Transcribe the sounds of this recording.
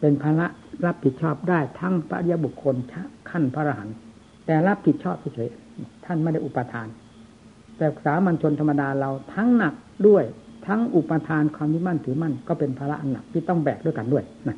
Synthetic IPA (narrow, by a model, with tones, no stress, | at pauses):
pe˧npʰaː˧la˦˥ʔɾa˦˥p̚ʰːi˨˩t̪̚t͡ɕʰɔː˥˩p̚daː˥˩jt̪ʰa˦˥ŋpʰa˦˧ʔʰi˧ja˧˥bu˨˩kʰːo˧nt͡ɕʰa˦˥kʰa˥˩npʰa˦˧ɾa˧ɦa˩˦n | t̪ɛː˨˩la˦˥pʰːi˨˩t̪̚t͡ɕʰɔː˥˩p̚t̪ʰa˧˥˩t͡ɕʰɤː˨˩˦j | t̪ʰa˥˩nm˧˥˩jda˥˩˨ʔu˨˩pːa˧t̪ʰaː˧n | t̪ɛː˨˩˨k̚saː˨˩˦ma˧nt͡ɕʰo˧nt̪ʰmːa˧daː˧ɾa˧wt̪ʰa˦˥ŋna˨˩k̚du˥˩əjt̪ʰa˦˥ŋʔu˨˩pːa˧t̪ʰaː˧nkʰwaː˧mji˦˥ma˥˩nt̪ʰɯː˩˦ma˥˩nkɔː˥˩pe˧npʰaː˧la˦˥ʔa˧nːa˨˩k̚t̪ʰiː˥˩t̪ɔ˥˩ŋbɛː˨˩k̚du˥˩əjka˧ndu˥˩əjna˦˥